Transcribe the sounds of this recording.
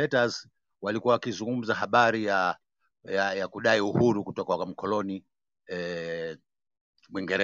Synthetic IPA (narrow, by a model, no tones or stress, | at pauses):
ɛtaz | walikuwawakizuŋɡum̩zahaɓaɾija | jajakuɗaiuhuɾukutɔkakam̩kɔlɔni | ɛ | mwiŋɡɛɾɛ